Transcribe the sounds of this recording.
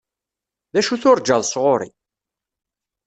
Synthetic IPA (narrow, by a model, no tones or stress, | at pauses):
ðæʃuθʊɾˤd͡ʒəðˤsʁʊɾḭ